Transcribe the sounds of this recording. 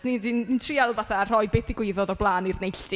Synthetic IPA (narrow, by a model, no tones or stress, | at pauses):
nidinintʰrialˠvaθar̥ɔɨbɪθɪɡwɪðɔðɔblˠaːnirnejɬti